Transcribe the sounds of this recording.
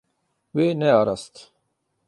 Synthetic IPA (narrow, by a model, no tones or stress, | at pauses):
weneaɾɐst̪